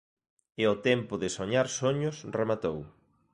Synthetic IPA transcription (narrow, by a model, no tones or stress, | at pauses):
ɪʊt̪ɛmpʊðɪsoɲaɾsoɲʊsremat̪ow